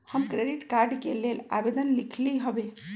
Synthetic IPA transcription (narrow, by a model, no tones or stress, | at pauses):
həmkɾeɖiʈkaɾɖkelela̰ʋed̪ənlikʰliɦəbe